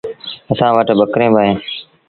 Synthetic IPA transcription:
əsãːʋəʈɓəkɾẽːbəːɦẽː

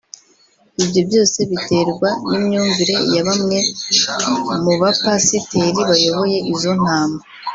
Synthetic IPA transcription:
ibɟo̞bjo̞ːse̞βite̞ɾɡwanimɲuːŋviɾe̞jaβamŋe̞ | muβapasiteɾiβajo̞βo̞je̞ʔizo̞n̥aːmɡa

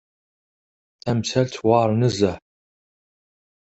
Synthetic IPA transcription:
ɐmsʰɐltʰwɑːrnɨzɐ

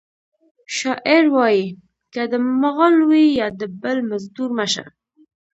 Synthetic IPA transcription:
ʃɑʔɪɾwɑji | kad̪əmaɣɑlwijɑd̪əbəlmazd̪uɾmaʃa̰

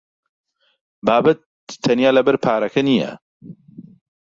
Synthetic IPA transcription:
baːbɐt̪ʰː | ɐnjaːlɐbɐɾpʰaːɾɐkʰɐnijɛ̰

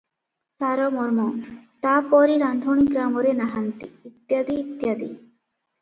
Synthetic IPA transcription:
saɾɔmɔɾmɔt̪apɔɾiɾand̪ʱoɽ̃iɡɾamɔɾenaɦant̪iːt̪ːjad̪iːt̪jad̪ḭ

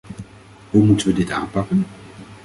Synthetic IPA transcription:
ɦumutənʋədɪta̰ːnpɑkən

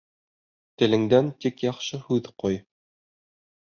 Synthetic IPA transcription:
t̪ɘ̆lɘ̆ŋd̪ænt̪ikjɑqʃɤhʉðqoj

